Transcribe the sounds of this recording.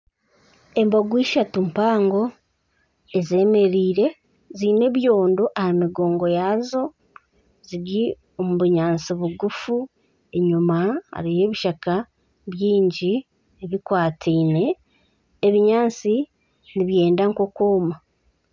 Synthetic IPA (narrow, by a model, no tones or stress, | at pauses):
e̞mboɡwiːʃatumpaːŋɡo̞ | ezeːme̞ɾiːɾe̞ | ziːne̞βjo̞ːndo̞ʔahamiɡo̞ːŋɡo̞jaːzo̞ | ziɾi | o̞muβuɲaːnt͡siβuɡufu | e̞ɲumaa̰ɾije̞ːβiʃaka | βjiːɲɟi | eβikwaːtʰiːne̞ː | βiɲaːnt͡si | niβje̞ːndaŋkokoːma